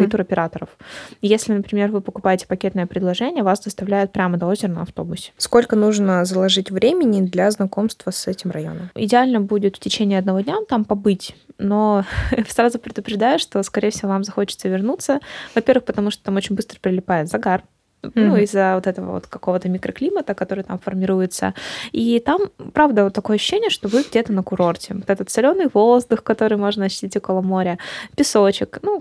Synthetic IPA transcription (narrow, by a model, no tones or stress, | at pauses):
kɐt̪uɾɐpʲɪɾat̪əɾəfjesʲlʲɪnəpɾʲɪmʲe̞rvɨpəkʊpajɪtʲɪ̥pɐkʲet̪nɨjəpɾʲɪd̪lˠɐʐɛnʲɪjəvasd̪əst̪ɐvlʲæjɪt̪̚pɾʲamənɐo̞zʲɪrnə̰ɐft̪o̞bʊsʲsko̞lʲkənuʐnəzəlˠɐʐɨtʲvɾʲemʲɪnʲɪd̪lʲaznɐko̞mst̪vəsɛtʲɪmrɐjo̞̰nəmɪ̰dʲɪalʲnəbudʲɪt̪ftʲɪt͡ɕenʲɪiɐd̪nɐvo̞dʲnʲamt̪ampɐbɨtʲno̞srazʊpɾʲɪd̪ʊpɾʲɪʐd̪ajʊʂt̪o̞skɐɾʲejəfsʲɪvo̞vamzɐxo̞t͡ɕɪt̪səvʲɪrnut̪sːəvɐpʲe̞rvɨxpət̪ɐmuʂt̪ot̪amo̞t͡ɕɪnʲbɨst̪ɾə̥pʲɾʲɪlʲɪpajɪt̪zɐɡar | nuɪzːəvot̪ɛt̪əvə̰vo̰t̪kɐko̞vət̪əmʲɪkɾəklʲimət̪əkɐt̪o̞ɾɨjt̪amfərmʲɪɾujɪt̪sə̰it̪ampɾavd̪ət̪ːɐkoəɐɕːɕːenʲɪjəʂt̪o̞vɨɡdʲe̞t̪ənəkʊɾo̞rtʲɪvot̪ɛt̪ət̪sɪlʲo̞nːɨjvozd̪ʊxkɐt̪o̞ɾɨjmo̞ʐnəɐɕːɪ̥tʲitʲokolˠəmo̞ɾʲəpʲɪsot͡ɕɪknu